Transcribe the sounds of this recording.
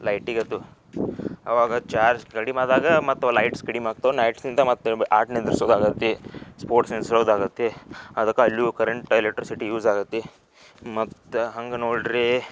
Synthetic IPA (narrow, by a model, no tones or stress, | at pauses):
lɐjʈiɡɐt̪ːu | ɐ̰ʋaːɡɐt͡ʃaːɾd͡ʒkɐɽimaːd̪aːɡɐmɐt̪ːulɐjʈskɐɽimaːɡ̚t̪ɐunɐjʈsnind̪ɐmɐt̪ːuaːɾʈned̪ɾisoːd̪aːɡɐt̪ːespoːɾʈsensɾoːd̪aːɡɐt̪ːeɐd̪ɐkːɐlːiukɐɾeɳʈelek̚ʈːɾisiʈijuːzaːɡɐt̪ːe | mɐt̪ɦɐŋɡɐnoːɭɖɾi